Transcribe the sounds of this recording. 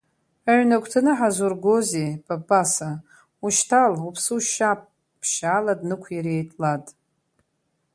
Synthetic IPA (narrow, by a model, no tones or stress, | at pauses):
aʕnakʷʰʼtʰɨnɨħazurɡozeb̥ʼabasa | uʃtʰalupʰsɨuʃap̚ʰʼ | pʰʃaːladnɨkʷʰjaɾejtʼlatʼ